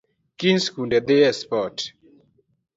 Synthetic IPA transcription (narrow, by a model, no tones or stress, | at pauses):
kinskunɖɛd̪eɛspɔt